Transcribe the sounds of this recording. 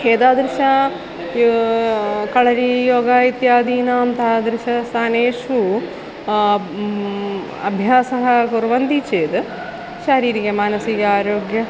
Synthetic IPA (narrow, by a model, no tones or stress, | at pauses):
ɦeːd̪aːd̪ɾɪʃɐ | kɐɭɐɾijoːɡaːit̪jaːd̪iːnɐɐmt̪ɐd̪ɾɪʃɐst̪ʰaːneːʂu | ɐ̰bʱjaːsɐɦɐkuɾʋɐnd̪it͡ʃeːd̪ɨ | ʃɐɾiːɾikɐmaːnɐsiɡaːɾoːɡjɐ